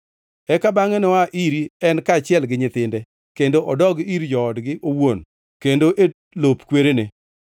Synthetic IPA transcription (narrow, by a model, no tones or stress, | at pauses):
ɛkabaŋɛnɔaʔiɾiɛnkaːt͡ʃɪɛlɡɪɲɪt̪ɪndɛ | kendoʔɔdɔɡiɾd͡ʒɔːdɡɪʔowon | kendoʔe | lopkweɾenɪ